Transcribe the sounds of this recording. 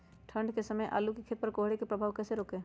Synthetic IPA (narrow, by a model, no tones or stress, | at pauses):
ʈʰə̃ɳɖkesəməjʔa̰ːlukikʰeːt̪̚pɐɾkoːɦɽekepɾəbʱaːʋkɛːseɾoːkeː